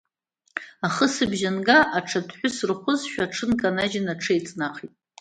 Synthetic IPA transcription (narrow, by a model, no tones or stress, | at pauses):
aχəsɨbʒanɡaʔaʈ͡ʂʰadħʷᶣʊsrχʷʊzʃᶣaʈ͡ʂʰɨnkʼanad͡ʒɪnaʈ͡ʂʰejt͡sʼnaqʰitʼ